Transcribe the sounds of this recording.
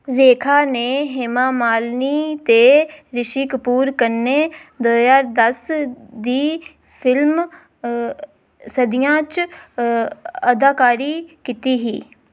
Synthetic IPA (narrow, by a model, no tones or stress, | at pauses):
ɾeːkʰaːneːɦɪmãːmaːlniːt̪eːɾɪʃiːkəpuːɾkəɾneːd̪oːjaːɾd̪əsd̪iː | pʰɪlm | səd̪ɪjãːt͡ʃ | əd̪aːkaːɾiːkiːt̪iːɦiː